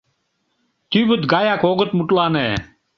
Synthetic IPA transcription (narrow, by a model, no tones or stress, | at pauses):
t̪ʰiːbət̪ɡaːjaːkoːɡət̪mʊʈlaːneː